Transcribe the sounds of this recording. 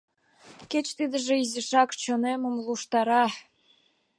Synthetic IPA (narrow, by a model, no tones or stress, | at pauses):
ket͡ɕt̪id̪ə̆ʒĕizĕʃɑkt͡ɕŏnemə̆mlˠuʃt̪ɑɾɑ